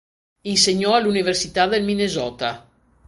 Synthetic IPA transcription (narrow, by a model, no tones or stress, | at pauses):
inseɲːɔalːuniversit̪ad̪elminezɔːt̪a